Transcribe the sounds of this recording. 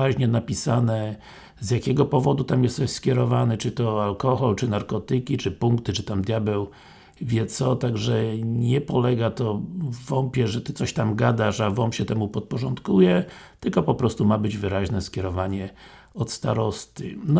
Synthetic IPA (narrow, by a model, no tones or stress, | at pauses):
aʑɲɛnapʲisanɛ | zjakʲɛɡɔpɔvɔd̪ut̪amjɛst̪ɔɕskʲjɛɾɔvanɛt͡ʂɘt̪ɔalkɔxɔlt͡ʂɘnaɾkɔt̪ɘkʲit͡ʂɘpuŋkt̪ɘt͡ʂɘt̪amd̪ʲjabɛw | vʲjɛt̪sɔt̪aɡʐɛɲɛpɔlɛɡat̪ɔvvɔmpʲjɛʐɛt̪ɘt̪sɔɕt̪amɡad̪aʂavɔmpɕɛt̪ɛmupɔt̪̚pɔʐɔnt̪kujɛt̪ɘlkɔpɔpɾɔst̪umabɘd͡ʑvɘɾaʑnɛskʲjɛɾɔvaɲɛ | ɔt̪st̪a̰ɾɔst̪ɨ̰n